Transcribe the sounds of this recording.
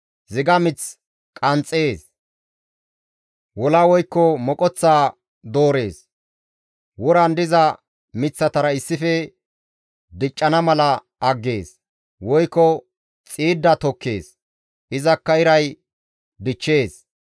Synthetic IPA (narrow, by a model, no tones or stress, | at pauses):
zɪɡɐmɪt͡s | kʼɐnt͡sʼːe̞ːs | wɔlawɔjkːɔmɔkʼɔt͡sːaː | d̪o̞ːɾe̞ːs | wɔɾɐnd̪ɪzɐ | mɪt͡sːɐt̪ɐɾɐɪsːɪfɛ | d̪ɪt͡ʃʼːɐnɐmɐlɐ | ʔɐɡːe̞ːs | wɔjkːɔ | t͡sʼiːd̪ːɐt̪ɔkːe̞̰ːs | ʔɪzɐkːɐɪɾɐj | d̪ɪt͡ʃːe̞ːs